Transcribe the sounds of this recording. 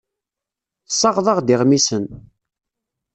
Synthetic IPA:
θsˤːɑʁðˤɑʁd̪ɪʁmisən

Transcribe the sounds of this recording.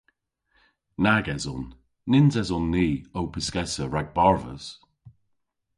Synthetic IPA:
naɡɛzɔ̰nː | ɪnzɛzɔnːiːowpʰɪskɛsəɹaɡ̚baɹvə̰z̥

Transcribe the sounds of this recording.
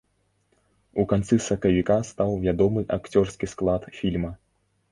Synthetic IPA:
ukant̪sɨsɐkɐvʲikast̪awvʲad̪ɔmɨʔakt͡sʲɔrskʲisklˠat̪fʲilʲmɐ

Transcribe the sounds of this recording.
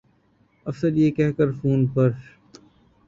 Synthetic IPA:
ɐfsəɾjeːkɛɦkəɾfuːnpəɾ

